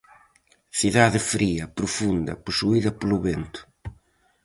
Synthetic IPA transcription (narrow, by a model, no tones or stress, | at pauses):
θiðaðɪfɾiɐpɾufund̪ɐ̰pusuiðɐpoluβent̪ʊ̥